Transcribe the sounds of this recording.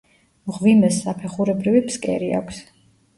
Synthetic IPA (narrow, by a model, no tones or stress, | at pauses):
ʁvimɛsːapʰɛχuɾɛbɾivipskʼɛ̰ɾia̰kʷʰs